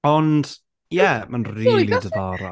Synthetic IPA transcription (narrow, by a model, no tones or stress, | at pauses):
ɔnd̥ | jɛmanriːlˠidəðɔɾa̰